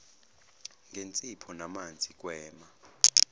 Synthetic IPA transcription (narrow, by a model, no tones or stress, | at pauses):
ŋɡʱent͡sʼipʰɔnamand͡zʱik̬ʼwɛːma